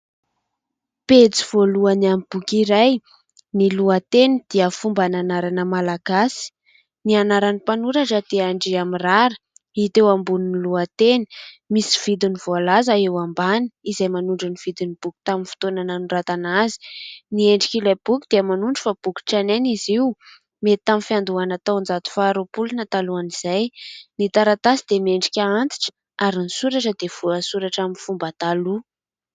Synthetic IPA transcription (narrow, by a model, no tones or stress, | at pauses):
pet͡si̥v̥oluanamib̥ukiɾaj | niluat̪enid̪̥iəfumbananaɾanəmalaɡasi̥ | nianaɾanipanuɾaʈ͡ʂad̪eaɳɖ͡ʐiamiraɾə̥ | it̪ewambuniniluat̪eni̥misi̥v̥id̪iniv̥oalazaewambani̥izajmanuɳɖ͡ʐuniv̥id̪inib̥uku̥t̪aminfi̥t̪onananurat̪anazi̥nieɳɖ͡ʐikilab̥ukʲud̪̥eamanuɳɖ͡ʐəfab̥ukʲi̥ʈ͡ʂaneniziw | met̪t̪ːaminfiand̪uanat̪awnd͡zat̪u̥faːɾopulinat̪aluaniz̥ajnit̪aɾat̪asid̪emeɳɖ͡ʐikʲaant̪i̥ʈ͡ʂə̥ | aɾinisuɾaʈ͡ʂəd̪ev̥uasuɾaʈ͡ʂaminfumbət̪alu